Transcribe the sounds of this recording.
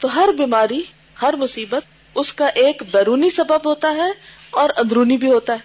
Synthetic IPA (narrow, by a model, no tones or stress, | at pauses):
t̪oːɦɐɾbiːmaːɾi | hɐɾmʊsiːbət̪̚ | ʊskaʔeːkbɛːɾuːnisɐbəbɦoːt̪aɦɛɔːɾɐ̃nd̪ɾuːnibʱiɦoːt̪aɦɛː